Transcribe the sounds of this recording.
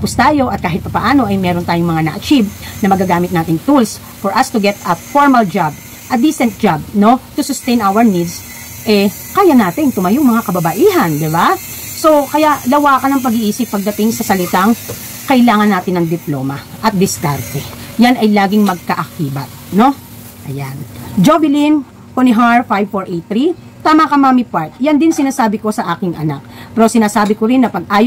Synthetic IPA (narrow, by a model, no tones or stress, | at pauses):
pʊst̪aːjo̞ʔɐt̪̚kaːɦɪt̪̚pɐpɐʔaːno̞ʔɐjmɛːɾo̞nt̪aːjoŋmɐŋanɐ̰ʔɐt͡ʃibnɐmɐɡaɡaːmɪt̪naːt̪ɪŋt̪uls | fɔɹʔɐst̪ʊɡɛt̪ɐfoɹmɐld͡ʒab̚ | ʔɐd̪iːsɛnt̪̚d͡ʒab̚no̞t̪ʊsʊst̪ɛjnʔawɛɹnid̪s | ʔɛ | kaːjɐnaːt̪ɪŋt̪ʊmɐjʊŋmɐŋakɐbɐbɐʔiːɦɐnd̪ɪba | so̞kɐjalɐwaːkɐnɐŋp̬ɐɡiʔiːsɪp̚ːɐɡ̚d̪ɐt̪ɪŋsɐsɐlɪt̪aŋ | kɐʔɪlaːŋɐnːaːt̪ɪnːɐŋd̪ɪploːmɐʔɐt̪̚d̪ɪsk̪aɾt̪ɛjanɐjlaːɡɪŋmɐɡ̚kɐʔɐkiːbɐt̪̚no̞ | ʔɐjand͡ʒobɪlin | konɪɦaɹfajbfoɹʔet̪ɾi | t̪aːmɐkɐmamipaɹt̪̚jɐnd̪ɪnsɪnaːsaːbɪko̞sɐʔaːkɪŋʔɐna̰k̚pɛɾosɪnaːsaːbɪkoɾɪnːɐpɐɡ̚ʔaːj